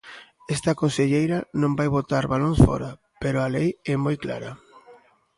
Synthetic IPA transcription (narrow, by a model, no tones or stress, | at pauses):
ɛst̪akonseʎejɾɐnõmbajβot̪aɾβalõŋsfɔ̰ɾa | peɾʊalejɛmojkla̰ɾɐ